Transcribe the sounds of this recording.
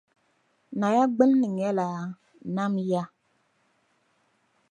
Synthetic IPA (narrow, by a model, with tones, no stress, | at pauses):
na˨ja˦ɡ͡bɨ˦lːɨ˨ŋɛ˦la˨˦ | na˦mja˦